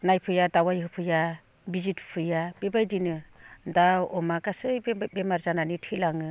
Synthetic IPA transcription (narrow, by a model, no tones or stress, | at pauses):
najpʰɯjadawajhɯpʰɯja | bizitʰpʰɯjab̥ebajdinɯdawɔmaɡasɯjbbemaɾzananitʰilaŋɯ